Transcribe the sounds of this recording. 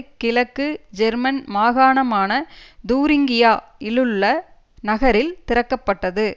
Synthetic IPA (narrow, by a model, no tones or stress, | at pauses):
kːɪlɐkːɯd͡ʒɛɾmɐnmaːɣaːɳɐmaːnɐd̪uːɾɪŋɡɪjaːɪlɯɭːɐ | nɐɣɐɾɪlt̪ɪɾɐkːɐpːɐʈːɐðɯ